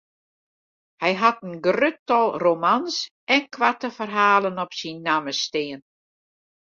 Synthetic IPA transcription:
hɛjɦatənɡrøtɔlˠromans | ɛnkʰʋatəfərɦaːlənɔpsinːaməstɪən

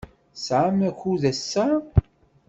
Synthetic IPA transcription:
sʕamæçuðæsːæ

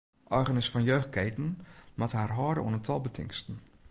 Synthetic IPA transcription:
ʔɔjɣənɪsfɔnjøːxt̚keːtən̩mathaːrɦɔːdə̰ṵənətʰɔlˠbətʰɪ̰ŋstn̩

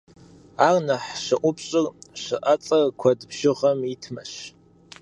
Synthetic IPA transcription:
arnɐħʃɨʔʷʊpʰɕʼɪrʃɨʔɐt͡sʼɐrkʷʰɐdbʒɪʁɐmitʰmɐɕ

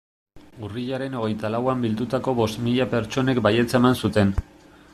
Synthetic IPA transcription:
uriʎaɾe̞no̞ɣ̞e̞jt̪alawambild̪ut̪ako̞βo̞st̪miʎape̞ɾt͡ʃo̞ne̞kbaje̞t͡saemansut̪e̞n

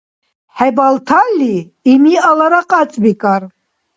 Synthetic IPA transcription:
ħabalt̪ʰalːiː | miʔalaɾaqʼat͡sʼbikʼar

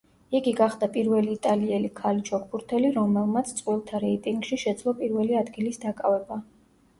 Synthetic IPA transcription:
iɡiɡaχd̪apʼiɾvɛliːt̪ʼaliɛlikʰalit͡ʃʰɔk̚ʰbuɾt̪ʰɛliɾɔmɛlˠmat̪sʰt̪sʼqʼwilˠt̪ʰaɾɛit̪ʼiŋɡʃiʃɛd̪zlˠɔpʼiɾvɛliad̪ɡilisd̪akʼavɛba

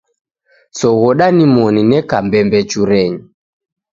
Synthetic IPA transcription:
sɔɣɔɗanimɔninɛkambɛmbɛt͡ʃuɾɛɲi

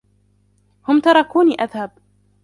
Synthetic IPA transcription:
hʊmt̪ɑɾˤɑkuːniːʔaðhab

